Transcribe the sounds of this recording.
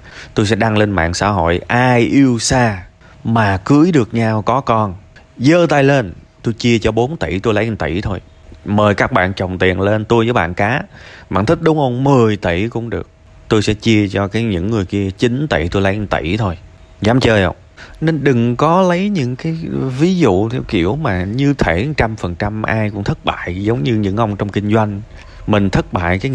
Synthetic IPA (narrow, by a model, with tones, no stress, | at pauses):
t̪o˧jsɛ̰˧˥ɗa˧ŋle˧nma̰ː˧˨ŋsa̰ː˧˥ɦo̰˧˨jʔaː˧jʔi˧əwsaː˧ | maː˨˩kɨ˨˦əjɗɨ˨˩ək̚ɲaː˧wkɔ˨˦kɔ˧n | zəː˧˦t̪aː˧jle˧n | t̪o˧jt͡ɕi˧ət͡ɕɔ˧ɓo˨˦nt̪ḭ˧˩t̪o˧jlə˨˦jɨ˧˩ŋt̪ḭ˧˩t̪ʰo˧j | məː˨˩jkaː˦˥k̚ɓa̰ː˧˨nt͡ɕə˨˩wŋ͡mt̪i˨˩ənle˧nt̪jzəː˨˦jɓa̰ː˧˨nkaː˨˦ma̰ː˧˨nt̪ʰï˦˥k̚ɗʊ˨˦wŋ͡mʔhə˧wŋ͡mmɨ˨˩əjt̪i˧˩kʊ̰˧˥ŋ͡mɗɨ˨˩ək̚ | t̪o˧jsɛ̰˧˥t͡ɕi˧ət͡ɕɔ˧kaː˨˦jɲɨ̰˧˥ŋːɨ˨˩əjki˧ət͡ɕi˨˦nt̪ḭ˧˩t̪o˧jla˨˦jt̪ḭ˧˩t̪ʰo˧j | zaː˨˦mt͡ɕəː˧jhə̰˧˩wŋ͡m | ne˧nɗɨ˨˩ŋkɔ˨˦lə˨˦jɲɨ̰˧˥ŋkaː˨˦jvi˨˦zṵ˧˨t̪ʰɛ˧˩wkḭ˧˩əwmaː˨˩ɲɨ˧t̪ʰe˧˩˨t͡ɕa˧mfə˨˩nt͡ɕa˧mʔaː˧jkʊ̰˧˥ŋ͡mt̪ʰə˦˥t̚ɓa̰ː˧˨jzə˨˦wŋ͡mɲɨ˧ɲɨ̰˧˥ŋʔə˧wŋ͡mt͡ɕɔ˧wŋ͡mkï˧ŋ̟zwa˧jŋ̟ | mï˨˩ŋ̟t̪ʰə˦˥t̚ɓa̰ː˧˨jkaː˨˦